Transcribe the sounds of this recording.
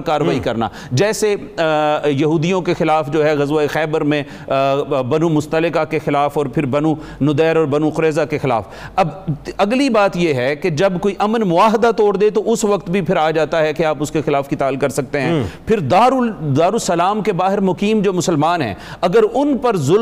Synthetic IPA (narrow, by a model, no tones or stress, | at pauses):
kaːɾʋaːikɐɾna̰ː | d͡ʒɛːse | jɐɦuːd̪ijõkexɪlaːfd͡ʒoːɦɛɣɐzʋaexɛːbəɾmẽ | bɐnumʊst̪əlɪkakexɪlaːfɔːɾpʰɪɾbɐnũ | nʊd̪ɛːɾɔːɾbɐnũqʊɾɛːzakexɪla̰ːf | ɐbɐɡlibaːt̪jeɦɛked͡ʒɐbkoːiʔɐmənmʊaːɦɪd̪at̪ɔːɽd̪et̪oʔʊsʋɐkt̪bʱipʰɪɾaːd͡ʒaːt̪aɦɛkeaːpʊskexɪlaːfkit̪aːlkɐɾsɐk̚t̪eɦɛ̃pʰɪɾd̪aːɾud̪aːɾusɐlaːmkebaːɦɪɾmʊkiːmd͡ʒoːmʊsəlmaːnɦɛ̰̃ː | ɐɡəɾʊnpɐɾzʊl